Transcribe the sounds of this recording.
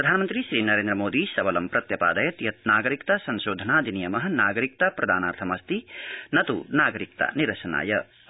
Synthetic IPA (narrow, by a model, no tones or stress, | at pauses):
pɾɐd̪ʱaːnɐmɐnt̪ɾiʃɾiːnɐɾeːnd̪ɾɐmoːd̪isɐʋɐlɐmpɾɐt̪jɐpa̰ːd̪ɐjɐt̪jɐt̪naːɡɐɾikt̪asɐnʃoːd̪ʱɐnaːd̪inijɐmɐɦɐnaːɡɐɾik̚t̪apɾɐd̪ʱaːnaːɾt̪ʰɐmɐst̪inɐt̪ṵnaːɡɐɾik̚t̪a̰niɾɐʃɐna̰ːjɐ